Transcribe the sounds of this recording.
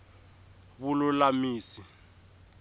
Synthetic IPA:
βulʊlamiːsi

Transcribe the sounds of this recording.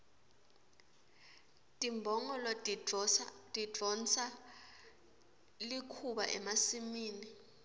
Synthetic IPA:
tʼimbʱɔŋɔlɔ | tʼidʱɔnt͡sa | likʰuɓa̰ʔɛmasimiːni

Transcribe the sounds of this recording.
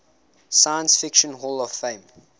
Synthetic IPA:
sajə̃nsfɪkʃə̃nɦɔlɔv̥fẽɪ̃m

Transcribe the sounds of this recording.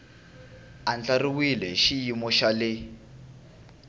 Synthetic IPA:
and͡ɮariwilɛʃijimɔʃalɪ

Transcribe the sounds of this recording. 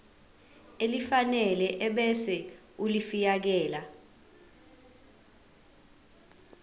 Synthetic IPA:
elifanɛlɛʔɛɓɛsɛ | ulifijak̬ɛːla

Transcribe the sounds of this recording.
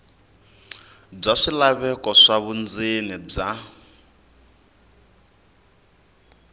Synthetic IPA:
b͡ʐaʂilaβɛkɔʂaβund͡zinib͡ʐa

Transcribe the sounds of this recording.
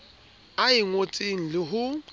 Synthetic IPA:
aɪŋot͡sʼeŋ̩lɪɦʊ

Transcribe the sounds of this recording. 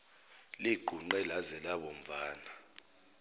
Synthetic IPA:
liɡ͡ǃ̥ʱuŋ͡ǃɛlazɛlaɓɔm̩vaːna

